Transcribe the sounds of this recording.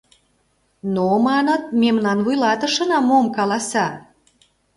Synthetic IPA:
nomɑnə̆t̪̚memnɑnvujlɑt̪ə̆ʃɤ̆nɑmomkɑlɑsɑ

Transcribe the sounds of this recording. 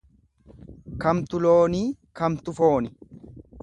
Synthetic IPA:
kɐmt̪ʊloːniːkɐmt̪ʊfo̞ːnɪ

